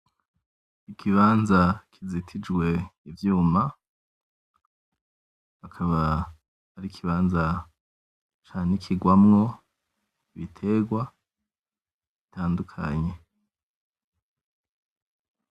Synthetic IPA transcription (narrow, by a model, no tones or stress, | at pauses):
ikʰiβaːnzakʰizitʰid͡ʒɡwe̞ivjuːma | akʰaβa | aɾikʰiβaːnza | t͡ʃaːnikʰiɡwamŋo̞ | iβitʰe̞ɡwa | βitʰaːndukʰa̰ɲe̞